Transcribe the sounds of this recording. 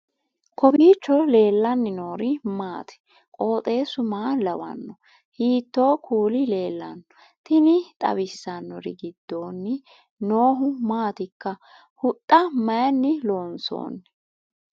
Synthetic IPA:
kʰɔbiːt͡ʃːɔle̞ːlːɐnːɪno̞ːɾɪmaːt̪ʰɪ̥ | kʼo̞ːt̪ʼe̞ːsʊmaːlɐwɐ̰nːɔ | hiːt̪ːo̞ːkʰuːlɪle̞ːlːɐnːɔ̥ | t̪ɪnɪt̪ʼɐ̰bɪsːɐnːɔɾɪ̰ɡɪd̪ːo̞ːnːɪ | noːɦʊmaːt̪ɪkːɐ | hʊt̪ʼːɐmɐjɐnːɪlo̞ːnso̰ːnː

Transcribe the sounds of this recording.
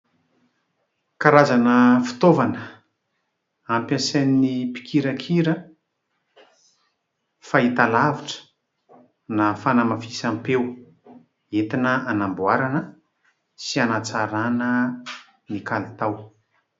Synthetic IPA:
kaɾazanəfu̥t̪ovanə | ampʲjasennipi̥kʰiɾəkʰiɾə | fait̪alaviʈ͡ʂə̥ | nafanamafisampew | et̪inəʔanambwaɾanə | sianat͡saɾanə | nikalit̪aw

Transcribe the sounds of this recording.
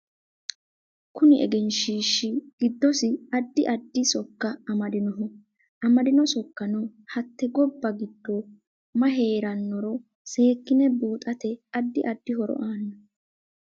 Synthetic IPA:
kʊnɪɛ̰ɡɛnʃiːʃːɪɡ̥ɪd̪ːɔsɪɐd̪ːɪʔɐd̪ːɪsɔkːɐɐmɐd̪ɪnɔɦɔ | ʔɐmɐd̪ɪnɔsɔkːɐnɔhɐt̪ːɛɡɔbːɐɡɪd̪ːɔ | mɐɦe̞ːɾɐnːɔɾɔ | se̞ːkːɪnɛbuːt̪ʼɐt̪ɛɐd̪ːɪʔɐd̪ːɪɦɔɾɔ̰ʔaːnːɐ

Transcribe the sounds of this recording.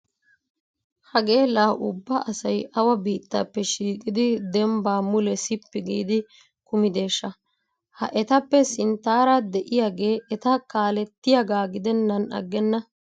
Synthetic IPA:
hɐɡe̞ːlaːʔʊbːɐʔɐsɐjʔɐwɐbiːt̪ːapːɛʃiːkʼɪd̪ɪd̪ɛmbaːmʊlɛsɪpːɪɡiːd̪ɪ | kʊmɪd̪e̞ːʃːɐ | hɐ̰ʔɛt̪ɐpːɛsɪnt̪aːɾɐd̪ɛʔɪjaːɡe̞ːʔɛt̪ɐkaːlɛt̪ːɪjaɡaːɡɪd̪ɛnːɐnɐ̰ɡːɛnːɐ

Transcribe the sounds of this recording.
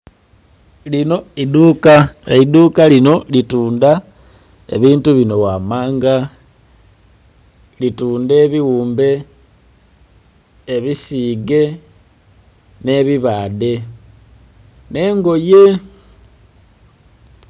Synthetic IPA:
lino̞idukaidukalino̞lituːnda | e̞̰βiːntuβino̞wamaːŋɡa | lituːnde̞ːβiwuːmbe̞ | βisiːɡe̞ | ne̞βiβaːde̞ | ne̞ːŋɡo̞je̞

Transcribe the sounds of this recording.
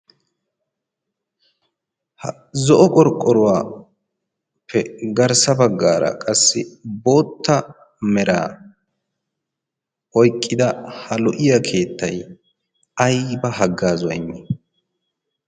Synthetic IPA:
hɐ | zɔʔɔkʼɔɾkʼːɔɾʊwaː | pːɛɡɐɾsɐbɐɡːaːɾɐ̰kʼɐsːɪbo̞ːt̪ːɐ | mɛɾa̰ː | ɔjkʼːɪd̪ɐhɐlɔʔɪjakʰe̞ːt̪ːɐj | ɐjbɐɦɐɡːaːzʊwɐ̰ɪmːɛ

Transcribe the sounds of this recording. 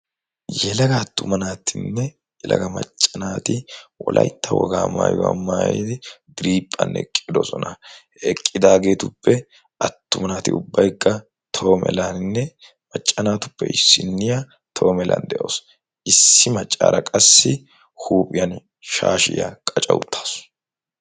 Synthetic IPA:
jɛlɐɡɐːt̪ːʊmɐnaːt̪ʰɪnːɛ | jɛlɐɡɐmɐ̰t͡ʃʼːɐnaːt̪ɪwɔlʔɐjt̪ʰːɐwɔɡaːmaːjʊwɐ̰maːjḛd̪ɪd̪ɪɾiːpʼːɐnːɛkʼːɪd̪ɔsɔnɐ | ɛkʼːɪd̪aːɡe̞ːt̪ʊpːɛ | ʔɐt̪ːʊmɐnaːt̪ɪʊbːɐjkːɐ | t̪ʰo̞ːmɛ̰lanɪnːɛ | mɐt͡ʃʼːɐnaːt̪ʊ̥pːɛɪsːɪnːɪja | t̪ʰo̞ːmɛlʔɐnd̪ɛʔoːs | ʔɪsːɪmɐt͡ʃʼːa̰ːɾɐkʼɐsːɪ | huːpʼɪjɐn | ʃaːʃɪja̰kʼɐt͡ʃʼɐwʊt̪ʰːḁːs

